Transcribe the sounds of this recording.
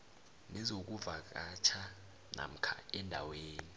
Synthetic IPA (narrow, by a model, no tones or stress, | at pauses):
nɛzok̬uvak̬at͡ʃʰa | na̰m̩kʰa̰ɛndʱa̰weːni